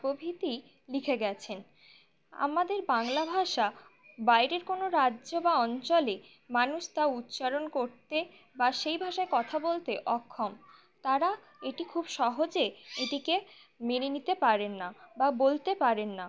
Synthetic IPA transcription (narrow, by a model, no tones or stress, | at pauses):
obʱit̪i | likʰeɡɛt͡ɕʰen | a̰mad̪eɾbaŋlabʱaʃa | bajɾeɾkonoɾadːʑobaɔnt͡ɕole | manuʃt̪aut̪ːɕaɾonkoɾt̪e | baʃejbʱaʃaekɔt̪ʰabolt̪eʔɔkʰːɔm | t̪aɾa | eʈikʰubʃɔɦod͡ʑeeʈike | meɾenit̪epaɾenːababolt̪epaɾenːa